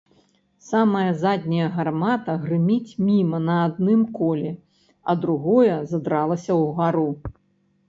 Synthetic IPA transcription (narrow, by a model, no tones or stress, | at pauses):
samɐjɐzad̪ʲnʲɐjɐɣarmat̪ɐɣrɨmʲit͡sʲmʲimɐnɐːd̪̚nɨmkɔlʲɛ | ɐ̰d̪ɾuɣɔjɐzɐd̪ɾalˠɐsʲɐwɣaɾu